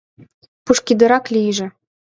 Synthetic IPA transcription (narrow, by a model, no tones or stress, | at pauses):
puʃkid̪ɤ̆ɾɑklʲijʒĕ